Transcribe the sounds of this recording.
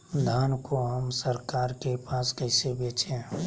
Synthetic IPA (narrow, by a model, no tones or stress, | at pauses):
d̪ʱaːnkoɦəmsəɾkaːɾkepaːskəɪsebeːt͡ʃẽ